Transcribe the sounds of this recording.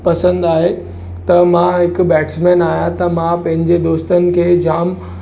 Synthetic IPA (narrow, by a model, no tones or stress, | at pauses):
pɐsə̃nd̪aːɦe | t̪ɐmãɦɪkbɛːʈsmẽːnaːjãt̪ɐmãpɐ̃ɦɪ̃ɲd͡ʑed̪oːst̪ənɪ̆kʰeːd͡ʑaːm